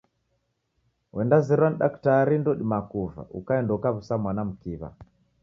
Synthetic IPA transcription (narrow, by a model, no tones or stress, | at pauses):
wʔɛndazɛɾwan̩ɗaktaɾindɔɗimakuva̰ʔukaɛndɔkaβusamwanam̩kiβa̰